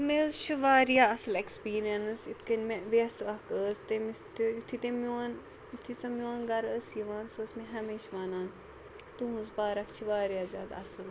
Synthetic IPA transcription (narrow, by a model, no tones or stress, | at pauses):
meːzt͡ʃʰuʋaːɾjaːɐsɨlekspiːɾijɐnsit̪ʰkɐnʲmeʋeɐslɐkəːzt̪emist̪uut̪ʰit̪emʲoːn | it̪ʰisɐmjoːnɡɐɾəːsiʋaːnsoːsmẽɦɐmeːʃʋaːnaːn | t̪uɦuzbaːɾɐkt͡ʃʰiʋaːɾjaːzʲjaːd̪a̰ɐsɨl